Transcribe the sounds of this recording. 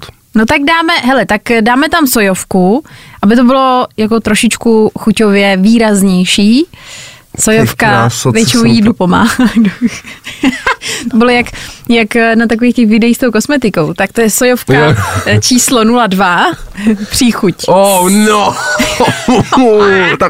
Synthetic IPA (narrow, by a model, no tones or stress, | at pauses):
not̪aɡdaːmɛɦɛlɛt̪akdaːmɛt̪amso̞jofkuʔabɪt̪̬obɪlo̞jak̬o̞t̪ɾoʃɪt͡ʃkuxuco̞vjɛviːɾazɲɛjʃiː | sojofkasvjɛt͡ʃɪnojjiːdlupo̞ma̰ːhado | t̪obɪlojakjaknat̪akoviːxc̪ɛxvɪdɛjist̪owko̞smɛt̪ɪko̞wt̪ak̚t̪ojɛsojofkat͡ʃiːslonuladva | pr̝̥ixucono | t̪a